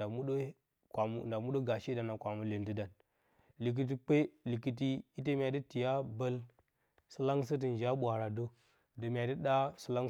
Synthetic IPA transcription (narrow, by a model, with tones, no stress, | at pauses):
a˨mu˦ɗo˦ | ka˨m˨nda˨mu˦ɗo˦ɡa˨ʃi˦da˨na˨kʷa˨mu˦le˨ndi˦da˨n | li˨k̬i˦t̬i˦k͡pe˦li˨ki˨t̬i˦i˦t̬e˦mʲ˦a˨di˦ti˨ja˦bə˦l | sə˦la˦ŋs̬ə˦t̬i˨n˨d͡ʒa˦ɓʷa˨ɾa˨do˦ | də˨mʲ˨a˨də˦ɗa˦sə˦la˦ŋ